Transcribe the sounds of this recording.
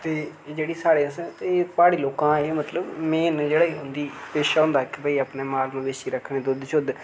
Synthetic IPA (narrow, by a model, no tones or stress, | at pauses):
t̪eːd͡ʒeːɽiːsaːɽeːst̪ebaːɽeːloːkãːeːmət̪ləbmeːnd͡ʒeːɽaːiːɦʊnd̪iːpeːʃaːɦʊ̃ːnd̪aːɪkːbəːiːapneːmaːlmũʋeːʃiːɾəkʰːɳẽːd̪ʊd̪t͡ʃʊd̪